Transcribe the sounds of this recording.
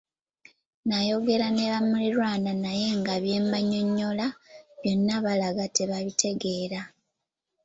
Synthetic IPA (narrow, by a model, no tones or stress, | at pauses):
najo̞ɡe̞ɾane̞βamuliɾwaːnanaje̞ŋɡaβje̞ːmbaɲo̞ɲːo̞laβjo̞nːaβalaɡate̞βaβitʰe̞ɡe̞ːɾa